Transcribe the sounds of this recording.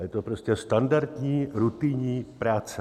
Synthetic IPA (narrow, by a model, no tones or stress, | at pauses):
jɛt̪opɾoscɛst̪andaɾt̪ɲiːɾut̪ɪɲiːpɾaːt͡s